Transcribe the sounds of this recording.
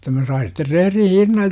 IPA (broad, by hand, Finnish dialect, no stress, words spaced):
jotːɑ mæ sɑin̞ sitːer rehrin̞ hinːɑj